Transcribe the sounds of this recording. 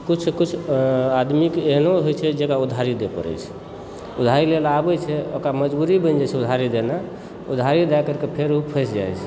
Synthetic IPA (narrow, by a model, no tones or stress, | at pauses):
kut͡ʃʰkut͡ʃʰad̪mikeɦnoɦojt͡ʃʰɛd͡ʒekaud̪ʱɦaɾid̪epə̰ɾə̰t͡ʃʰ | ud̪ʱaɾilelabɛt͡ʃʰɛokɾaməd͡ʒbuɾibə̃nd͡ʒat͡ʃʰɛud̪ʱɦaɾid̪ena | ud̪ʱɦaɾid̪ajkəɾkepʰeɾupʰəsd͡ʒa̰jt͡ʃʰ